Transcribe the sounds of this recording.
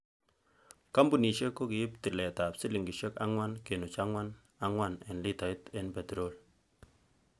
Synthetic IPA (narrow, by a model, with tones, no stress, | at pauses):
ka˦mbu˨ni˨ʃe˦kːo˦kɪ˨jɪ˦p̚tɪ˨lɛ˨ta˨psi˦li˨ŋɡi˨ʃɛ˦ka̰˦ŋwa˦nke˨nʊ˨t͡ʃa˦ŋwa˦n | a˦ŋwa˦˨nɛ˨nli˦ta˨ɪ˦tɛ˦npɛ˨tɾo˦˨l